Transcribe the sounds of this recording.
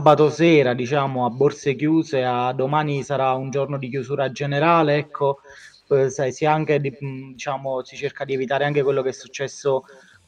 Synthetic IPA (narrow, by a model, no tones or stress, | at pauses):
abat̪osɛːɾad̪it͡ʃaːmoabːorsekjuːzead̪ːomaːnisaɾaund͡ʒornod̪ik̬jusuːɾad͡ʒeneɾaːleɛkʰːo | sajsiaŋk̟ed̪id̪it͡ʃaːmosit͡ʃerkad̪iɛvit̪aːɾeaŋk̟ekwelːokɛsːut͡ʃːɛsːo